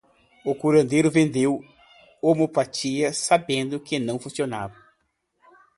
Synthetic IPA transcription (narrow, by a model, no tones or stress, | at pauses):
ʊkuɾɐ̃nd̪ejɾʊvẽnd̪ew | omopat͡ʃiɐsabẽnd̪ʊkɪnɐ̃w̃fũsiona̰vɐ